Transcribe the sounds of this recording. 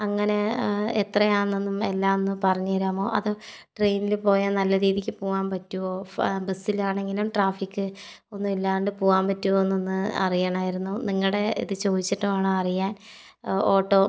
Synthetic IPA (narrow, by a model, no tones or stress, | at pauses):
ɐŋːɐne̞et̪rɐjaːnːinːumelːaːonːupɐrɐɲːuʋɐɾaːmo̞ːʔɐðɨ | ʈrejnilpo̞ːjɐnɐlːɐɾiːðikʲːɨpoːɣaːmpɐtːuʋoːbesilaːɳe̞ŋɡilumʈraːfikːɨ | o̞nːumilːaːɐɳɖɨpoːɣaːmpɐtːuʋoːnːunːɨɐ̰rijaːɳaːjiɾunːuniŋːɐɭɽe̞ḭðɨt͡ɕo̞ːðit͡ɕːɐʈːɐmaːɳɨɐrijaːn | oːʈːo̞ː